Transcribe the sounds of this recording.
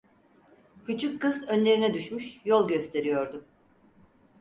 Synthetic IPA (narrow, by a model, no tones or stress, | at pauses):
cʰyt͡ʃʰykʰːɯzø̞nlʲe̞ɾinɛd̪yʃmyʃjolˠɟø̞st̪ʰe̞ɾijo̞ɾd̪ʊ